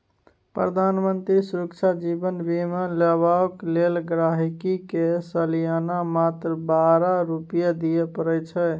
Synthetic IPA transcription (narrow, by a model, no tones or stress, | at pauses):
pɾəd̪ʱanmənt̪ɾisuɾəkt͡ʃʰad͡ʒibənbimələβaoklelɡɾaɦikikesəlijanamat̪ɾəbaɾaɾupijad̪ijepəɾɛjt͡ʃʰɛ